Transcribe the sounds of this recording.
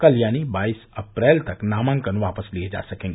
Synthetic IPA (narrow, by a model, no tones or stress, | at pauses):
kɐljaːnibaːisɐpɾɛːlt̪ɐknaːmãŋkənʋaːpəslied͡ʒa̰ːsɐkẽːŋɡe